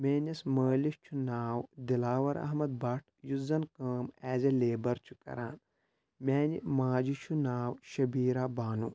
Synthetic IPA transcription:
meːnʲɐsməːlist͡ʃʰunaːwd̪ilaːwɐɾɐ̰ɦmɐd̪̚bɐʈʰjuzɐnkəːmɛːzɐleːbɐɾt͡ʃʰu̥kɐ̰ɾa̰ːn | mʲɛːnimaːd͡ʒit͡ʃʰunaːwʃɐbiːɾaːbaːnu

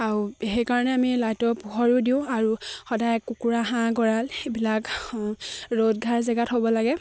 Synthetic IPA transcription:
aɹuɦɛkaɹɔnɛamilajtɔpuɦɔɹudiʊ̃aɹuxɔdajkukuɹaɦãɡɔɹalebilak | ɹodɡʱaɹzɛɡatɦobɔlaɡɛ

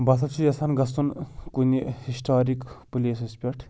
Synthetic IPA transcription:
bɐsɐt͡ʃʰujɐsʰɐnɡɐst̪unkunihisʈʰaːɾikpulʲisispʲeɾʈʰ

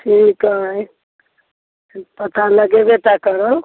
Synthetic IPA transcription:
sʰinkəj | pət̪ʰaləɡebet̪akəɾəl

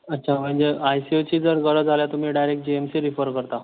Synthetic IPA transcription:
ətːɕʰam̤əɳd͡ʑeajsieʋt͡ɕiːd͡zəɾɡəɽəd͡zʱaljat̪um̤iːɖajɾekʈ̚d͡ʑiemsiɾifəɾkəɾt̪a

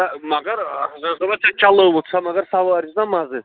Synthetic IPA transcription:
damaɡaɾazɛzʁɔbat͡ʃʰant͡ʃʰʼalɔɛbɔt̪sʰamaɡaɾsavaɾisd̪amazɛ

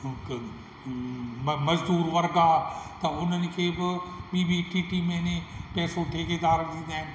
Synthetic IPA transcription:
mməd͡ʒd̪uːɾʋɐɾɡaːt̪ɐʊnənikʰebbiːbiːʈiːʈiːmẽnepɛːsõt̪ʰeːked̪aːɾəkd̪id̪ɛ̃ː

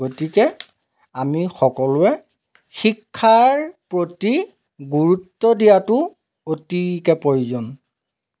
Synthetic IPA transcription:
ɡotikɛ | amixɔkɔlʊɛ | xikʰːaɹpɹoti | ɡuɹutːɔdijatʊ | otikɛpɔjuzɔn

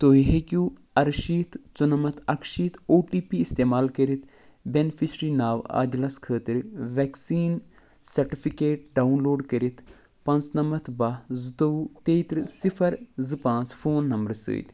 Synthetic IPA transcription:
t̪oːiɦekuː | ɐɾʃiːt̪ʰt͡ʃunɐmɐt̪ʰɐkʃiːt̪ʰoːʈiːpiist̪eːmaːlkɐɾit̪ʰ | benpʰisɾiːnaːʋa̰ːd̪lɐskʰəːt̪iɾʋɛːksiːn | sɐɾʈipʰikeːʈ̚ɖaːunloːɖkɐɾit̪ʰ | pɐnt͡snɐmɐt̪ʰbɐzɨt̪ot̪eːt̪ɾɨsipʰɐɾzɨpãːnt͡sfʰoːnːɐmbɾsɨ̰ːt̪

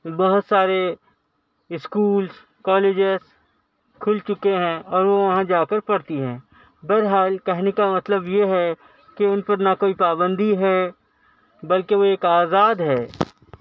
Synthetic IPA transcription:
bɐɦʊt̪saːɾe | ɪskuːls | kɔːleːd͡ʒɪz | kʰʊlt͡ʃʊkeɦɛ̃ɔːɾʋoʋɐɦãd͡ʒaːkəɾpɐɽt̪iɦɛ̃ː | bɛɾɦaːlkɛɦnekamɐt̪ləbjeɦɛ | keʊnpɐɾnɐkoːipaːbə̃nd̪iɦɛ | bɐlkeʋoeːkaːzaːd̪ɦɛː

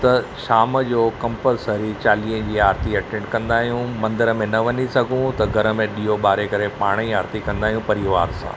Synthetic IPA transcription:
t̪ɐʃaːməd͡ʑoːkɐ̃mpəlsəɾit͡ɕaːliːə̃d͡ʑiːaːɾt̪iɐʈẽɳʈkɐ̃nd̪aːɦijũmɐ̃nd̪əɾəmẽnɐʋɐnisɐɡʱũt̪ɐɡʱɐɾə̆mẽɗiːɦoɓaːɾekɐɾepaːɽ̃iaːɾt̪ikɐ̃nd̪aːɦijũpɐɾiʋaːɾsã̰ː

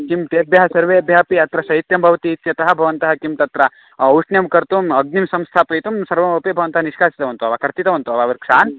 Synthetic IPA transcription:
kimt̪eːbʱjɐɦɐsɐɾʋeːɐbʱjaːpiɐt̪ɾɐʃɐit̪jɐmbʱɐʋɐt̪iːt̪jɐt̪ɐɦɐ̆bʱɐʋɐnt̪ɐɦɐkimt̪ɐt̪ɾɐ | uʂnjɐmkɐɾt̪umɐɡ̚nimsɐmst̪ʰaːpɐjt̪umsɐɾʋɐmɐpebʱɐʋɐnt̪ɐɦɐniʂkʰaːsi̥t̪ɐʋɐnt̪uɐʋakɐɾt̪it̪ɐʋɐnt̪uɐʋaːʋɐɾkʂaːn

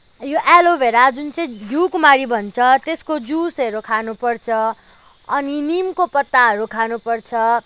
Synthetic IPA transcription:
joʔɛlobʱeɾad͡zunt͡sʌ̃j̃ɡʱjukmaɾibʱʌnt͡sʰʌt̪eskod͡zusʌɾukʰanupʌrt͡sʰʌ | ʌninimkopʌt̪ːaɦʌɾukʰanupʌrt͡sʰʌ

